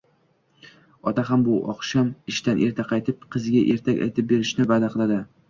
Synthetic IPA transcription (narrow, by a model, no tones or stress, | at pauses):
ɒt̪aɦambʊʔɒ̰qʃɒmɪʃt̪anʔe̞ɾt̪ʰaqʰɑjt̪ʰɪp̚qʰɨzɪɡʲaʔe̞̰ɾt̪ʰakʲa̰jt̪ʰɪp̚be̞ɾɪʃnɪvad̪aqʰɨlˠad̪ɪ